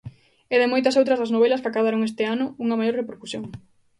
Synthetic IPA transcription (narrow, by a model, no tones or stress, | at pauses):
eðɪmojt̪ɐsowt̪ɾɐzðɐsnoβɛlɐskakaβaɾoŋest̪ɪanʊuŋɐmajoɾrepeɾkusjoŋ